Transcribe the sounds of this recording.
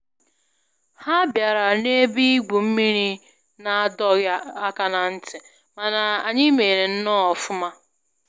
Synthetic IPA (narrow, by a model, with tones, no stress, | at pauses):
ha˦bja˨ɾa˨ne˦bi˦i˦ɡʷu˨m̩˦mi˦ɾi˦ | na˨˦dɔ˦ɣja˦a˦ka˨na˨n̩˦tɪ˨ | ma˨na˨a˨ɲɪ˦me˨ɾe˨n̩˦nɔ˦ɔ˨fʊ˦ma˦